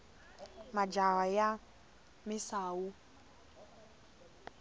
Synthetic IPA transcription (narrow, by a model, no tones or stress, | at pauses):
mad͡ʒawaja | mɪsaːwu